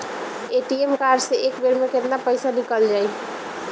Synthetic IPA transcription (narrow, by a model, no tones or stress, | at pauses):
eʈiemkaɾɖseʔekbeɾmeket̪napəjsanikəld͡ʒai